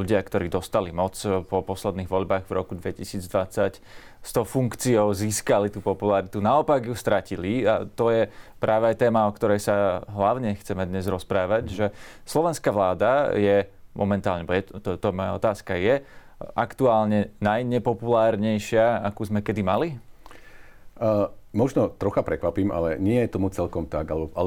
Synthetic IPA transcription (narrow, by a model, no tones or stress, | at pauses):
uɟɪakt̪ɔɾiːd̪ɔst̪alimɔt͡spɔpɔslɛd̪niːɣʋɔʎbaːɣvɾɔ̰kud̪ʋɛcisiːd͡zd̪ʋat͡sac | st̪ɔʊfuŋkt͡siɔʊziːskalit̪uːpɔpulaɾit̪unaɔpaɡjust̪ɾacilia̰t̪ɔjɛpɾʔaːʋɛajt̪ɛːmaɔkt̪ɔɾɛjsaɦlaʊɲɛxt͡sɛmɛd̪ɲɛzɾɔspɾaːʋaɟʒɛslɔʋɛnskaʋlaːd̪ajɛmʔɔmɛnt̪aːlɲɛbɔjɛt̪t̪ɔt̪ɔmɔja̰ɔt̪aːskajɛ | ʔakt̪uaːlɲɛnajɲɛpɔpulaːɾɲɛjʃɪaakuːzmɛkɛd̪imali | mɔʒnɔt̪ɾɔxapɾɛkʋapiːma̰lɛɲɪɛjɛt̪ɔmut͡sɛlkɔmt̪aɡalɛbɔaɛ